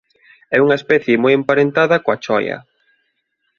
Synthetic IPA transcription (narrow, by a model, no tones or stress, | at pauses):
ɛuŋɐespɛθjemɔjempaɾent̪aðɐkoat͡ʃɔjɐ̰